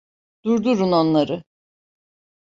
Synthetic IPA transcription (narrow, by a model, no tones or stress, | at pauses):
d̪̥uɾd̪uɾuno̞nlˠaɾɯ